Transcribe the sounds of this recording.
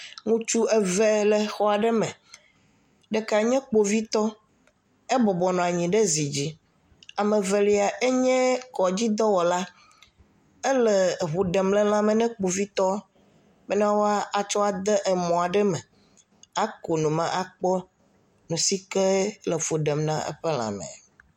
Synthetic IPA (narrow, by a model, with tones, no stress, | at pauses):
ŋũ˦t͡ʃu˦ɛ˦vɛ˦lɛ˨xɔ˦a˨ɖɛ˦mɛ̃˨ | ɖɛ˨ka˨ɲɛ̃˦k͡po˨vi˦t̪ɔ˦ | ɛ˦bɔ˨bɔ˨nɔ̃˨a˨ɲĩ˨ɖɛ˦zi˨d͡ʑi˦ | a˨mɛ̃˨vɛ˨li˦a˨ʔe˦ɲɛ̃˦kɔ˨d͡ʑi˦d̪ɔ˦wɔ˨la˦ | e˦lɛ˨βu˨ɖɛ˨mlɛ̃˦l̃ã˦mɛ̃˨nɛ̃˦k͡po˨vi˦t̪ɔ˦ | bɛ˦nã˦wo˦a˦a˨t͡ʃɔ˦a˨d̪ɛ˦ʔɛ˨mɔ̃˨a˨ɖɛ˦mɛ̃˨ | a˦ko˨nũ˨mã̰˦ʔa˨k͡pɔ˦ | nũ˨si˦kɛ˦lə˨fu˨ɖɛ˨mnã˦ʔḛ˦ɸe˦l̃ã̰˨mɛ̰̃˨